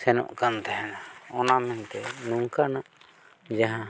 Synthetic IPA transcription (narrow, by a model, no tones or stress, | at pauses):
sɛnɔ̰̃ʔkant̪ɛɦɛnaɔnamɛnt̪ɛnuŋkanaʔ | d͡ʒaɦã